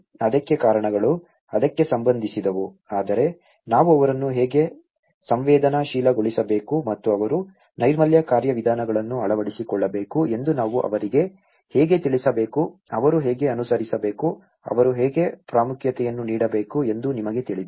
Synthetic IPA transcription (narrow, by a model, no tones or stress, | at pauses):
ɐd̪ɐkːekaːɾɐɳɐɡɐɭu | ɐd̪ɐkːe̞sɐmbɐnd̪ʱisid̪ɐʋu | aːd̪ɐɾe̞ | naːʋuɐʋɐɾɐnːuɦɛːɡe̞ | sɐmʋɛːd̪ɐnɐʃiːlɐɡoɭisɐbe̞ːkumɐt̪ːuɐʋɐɾu | nɐjɾmɐljɐkaːɾjɐʋid̪ʱaːnɐɡɐɭɐnːuɐɭɐʋɐɽisikɔɭːɐbe̞ːkue̞nd̪unaːʋuʔɐ̰ʋɐɾiɡe̞ | hɛːɡe̞t̪iɭisɐbe̞ːku | ɐʋɐɾuɦɛːɡe̞ɐnusɐɾisɐbe̞ːku | ɐ̰ʋɐɾuɦɛːɡe̞pɾaːmukʰjɐt̪ɛjɐnːuniːɽɐbe̞ːkue̞nd̪unimɐɡe̞t̪iɭid̪ɐ